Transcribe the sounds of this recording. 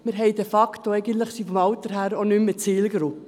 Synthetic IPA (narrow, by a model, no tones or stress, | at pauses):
mɪɾɦɛɪd̥efɑkt̪oɛɪɡən̩t̪ləχsifɔmɑʊt̪əɾɦæːɾonymːət͡siːlɡɾʊp